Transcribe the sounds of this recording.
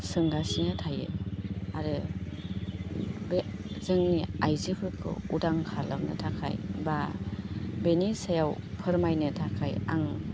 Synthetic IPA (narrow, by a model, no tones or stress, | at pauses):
sɯŋɡasinɯtʰajḛaɾɯ | bezɯŋiajzipʰɯɾkʰɯ̰udaŋkʰalamnɯ̰tʰakʰa̰jba | benisajawpʰɯɾmajnɯtʰakʰaja̰ŋ